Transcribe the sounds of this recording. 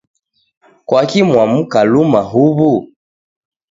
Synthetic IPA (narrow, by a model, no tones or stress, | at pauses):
kwakimwamukalumaɦuβu